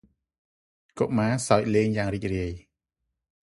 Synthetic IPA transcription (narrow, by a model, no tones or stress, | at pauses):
koʔmaːsaɔc̚leːŋjaːŋriːc̚riəj